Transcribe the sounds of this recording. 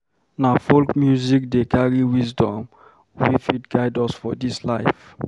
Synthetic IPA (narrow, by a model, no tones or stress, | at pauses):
nafolkmjuzik̚dekʰaɹiwisdɔ̃m | wifit̚ɡaɪdɔsfɔdislaɪf